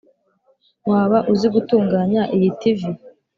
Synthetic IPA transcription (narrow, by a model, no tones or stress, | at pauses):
waːβaʔuziɡutuːŋɡaːɲaʔijitivi